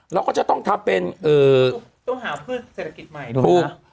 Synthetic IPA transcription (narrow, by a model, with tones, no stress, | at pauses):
ɾɛ˦˥kɔː˥˩t͡ɕa˨˩t̪ɔ˥˩ŋt̪ʰa˦˥mpe˧nʔɤː˨˩ | t̪ɔ˥˩ŋɦaː˩˦pʰɯː˥˩t̪̚seː˨˩t̪ʰa˧ki˨˩t̪̚ma˨˩j̪ʰuː˧˩k̚